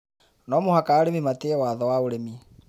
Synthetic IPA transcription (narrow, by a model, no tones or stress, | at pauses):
nɔmohakaːɾemimateɛwaːðɔwaoɾemi